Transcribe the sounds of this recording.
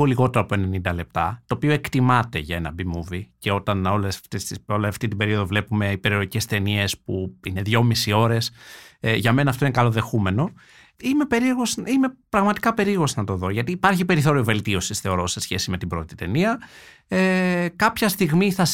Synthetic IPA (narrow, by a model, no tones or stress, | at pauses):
oliɣo̞t̪e̞ɾɐpoene̞nind̪ɐle̞p̚t̪ɐ̰t̪oːpio̞e̞kt̪imɐt̪e̞ʝɐe̞nɐ̰bimuvice̞o̞t̪ɐno̞left̪esioleɐft̪it̪ibe̞ɾio̞ðo̞vle̞pume̞ipe̞ɾio̞ɾice̞st̪e̞nie̞spuine̞ðʝo̞misio̞ɾe̞sʝɐme̞nɐːft̪oinekɐlo̞ðe̞xume̞no̞ | ime̞pe̞ɾieɾɣo̞zime̞pɾɐɣmɐt̪i̥kɐpe̞ɾiɾɣo̞znɐt̪o̞ðo̞ʝɐt̪iːpɐɾçipe̞ɾiθo̞ɾiove̞lt̪io̞sisθe̞o̞ɾo̞se̞sçe̞sime̞t̪ibɾo̞t̪i̥t̪e̞niɐ | ekɐpçɐst̪iɣmiθɐ